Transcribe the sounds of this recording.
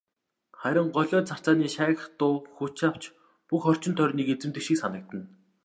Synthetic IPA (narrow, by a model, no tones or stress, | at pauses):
χæɾʲɪ̆ɴɢɔɮʲɔːt͡sʰar̥t͡saːniːʃæːɣə̆χt̪ʊːxut͡ɕaw̥t͡ɕ | puxχɔr̥t͡ɕɪ̆nt̪ʰœrʲniːket͡sɘ̆mt̪ɘ̆kʃiːksanə̆k̚t̪ə̆n